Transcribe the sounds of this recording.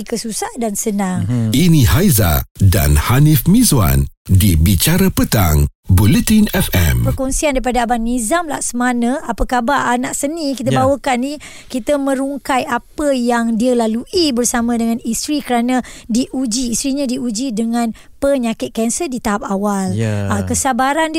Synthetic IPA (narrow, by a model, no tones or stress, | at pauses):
ikəsusahdansənãŋinĩhajza̰da̰nhanifmĩzwa̰n | dibit͡ʃaɾapət̪a̰ŋ | bulət̪inɛfɛ̰mpərkɔnsiandaɾipadaːbanizamla̰hsəmanə̃apəkabaanaʔsənĩkit̪abawəkanːi | kit̪əmə̃ɾuŋkajapəjaŋdialaluʔibərsamãdəŋãnist̪ɾikəɾanãdiʔud͡ʒiːst̪ɾiɲãdiud͡ʒidəŋãn | pəɲakɪt̪̚kɛnsədit̪aɦap̚awalakəsabaɾand